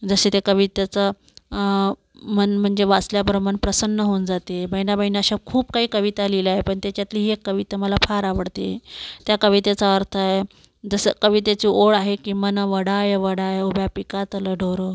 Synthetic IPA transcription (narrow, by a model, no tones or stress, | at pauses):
d͡zəɕet̪ekəʋit̪et͡sə | mənm̤əɳd͡zeʋat͡sljabəɾəməɳpɾəsənːəɦound͡zat̪ebʱəjnabəjnaɕakʰuːb̚kaɦiːkəʋit̪alilaɦepəɳt̪jat͡ɕjat̪liːɦiekːəʋit̪eməlafʰaɾaʋəɽt̪et̪jakəʋit̪et͡saəɾt̪ʰəaɦe | d͡zəsəkəʋit̪et͡ɕiːʔoɭaɦekiːmənəʋəɽajəʋəɽajobʱjapikat̪ələɖʱoɾə